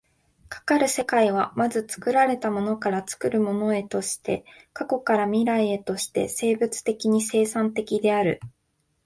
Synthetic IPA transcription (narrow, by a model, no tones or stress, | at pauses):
kʰḁkaɾɯ̟se̞kaiβ̞amazɨt͡sɨ̥kɯ̟ɾaɾe̞t̪amo̞no̞kaɾat͡sɨ̥kɯ̟ɾɯ̟mo̞no̞e̞t̪o̞ɕi̥t̪e̞ | kako̞kaɾamʲiɾaie̞t̪o̞ɕi̥t̪e̞̰se̞ːbɯ̟t͡sɨ̥t̪e̞kʲiɲ̟ise̞ːsãnt̪e̞kʲid̪e̞aɾɯ̟